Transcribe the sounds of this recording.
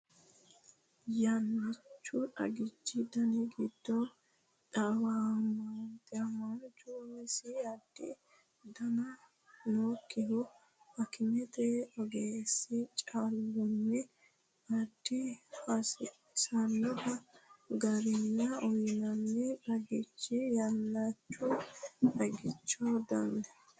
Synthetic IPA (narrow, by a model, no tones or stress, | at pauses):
jɐnːɪt͡ʃːʊᶑɐ̰ɡɪt͡ʃːɪd̪ɐniɡɪd̪̥ːɔ | ᶑɐwamant̪ʼːɪɐmɐnd͡ʒuɛsɪɐd̪̥ːɪ̰ | d̪ɐnɐ | noːkʼːɪɦɔ | hɐkɪmɛt̪ɛɔɡeːsːɪt͡ʃʼalːɔnːɛ | ɐd̪̥ːɪhɐsɪ | sɐnːɔt̪ɐɡɐɾɪnːɐɔjnɐnːɛᶑɐɡɪt͡ʃːɪjɐlːɐt͡ʃːɔʔɐɡɪt͡ʃːɔd̪ɐnːɛ